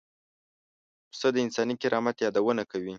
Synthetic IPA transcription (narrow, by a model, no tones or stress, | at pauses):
səd̪əɪnsɑnikɪɾɑmat̪jɑd̪awənakawi